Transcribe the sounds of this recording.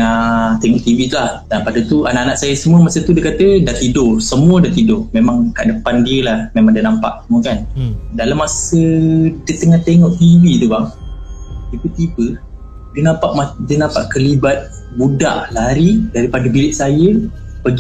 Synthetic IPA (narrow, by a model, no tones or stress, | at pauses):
at̪eŋɔʔt̪iwit̪ulah | apadət̪uanaʔanaʔsajəsəmuəmasət̪udəkat̪ədat̪idʊrsəmuədat̪idʊrmemaŋkaʔdəpandiəlahmemãŋdanampa̰ʔsəmuəkandalamːasədət̪əŋaht̪eŋɔʔt̪iwit̪ubaŋ | dəbət̪ibə | dənapaʔmadənapaʔkəlibat̪̚ | buda̰ʔlaɾidaɾipadəbilɪʔ̚sajə | pəɡ